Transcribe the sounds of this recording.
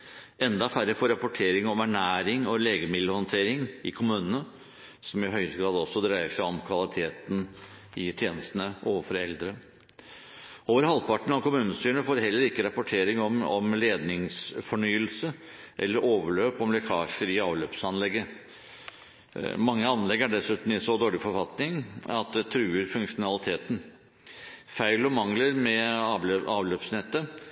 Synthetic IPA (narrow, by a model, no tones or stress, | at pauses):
ɛnd̪ɑfæɾəfɔːɾːɑpʊʈʰeːɾɪŋɔmæɳæːɾɪŋɔleːɡəmɪd̪ləhɔnt̪ʰeːɾɪŋɪkʰʊmʉːnənə | sɔmɪɦœʏɾəɡɾɑːd̪ɔsːɔd̪ɾæɪəʂæɪɔmkʰʋɑlɪt̪ʰeːt̪n̩ | ɪt̪ʰjeːnəst̪ənəʔoːʋəfɔɾɛld̪ɾə | oːʋəɾhɑlpʰɑʈɳ̩ɑʋkʊmʉːnəst̪yːəɳəfoːɾɦɛlːəɾɪkːəɾɑpʊʈʰeːɾɪŋɔmɔmleːd̪nɪŋsfɔɳyːəlsə | ʔɛ̰lːəɾʔoːʋəɭøːpɔmlɛkʰɑːʂəɾɪɑːʋløːpsɑnlɛɡːə | mɑŋːəɑnːlɛɡæɖɛsʉːt̪n̩ɪsɔd̪oːɭɪfɔɾfɑt̪nɪŋɑt̪̚d̪ɛt̪ʰɾʉːəɾfʉŋkʂʊnɑlɪt̪ʰeːt̪n̩ | fæɪlɔmɑŋləɾmɛ | ɑːʋløːpsnɛt̪ːə